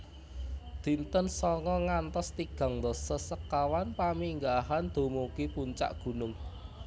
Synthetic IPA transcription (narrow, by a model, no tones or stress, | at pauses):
d̪̥i̤nt̪ənsɔŋɔŋant̪ɔst̪iɡ̥a̤ŋd̪ɔsəsəkːawanpamiŋɡaɦand̪̥o̤mokipuɲt͡ʃa̰ʔɡ̥ṳnʊŋ